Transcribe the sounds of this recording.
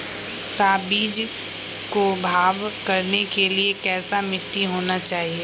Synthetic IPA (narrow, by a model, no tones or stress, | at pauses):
t̪aːbiːd͡ʒ | kobʱaːʋkɐɾnekeliekɛːsamɪʈːiɦoːnat͡ʃaːɦieː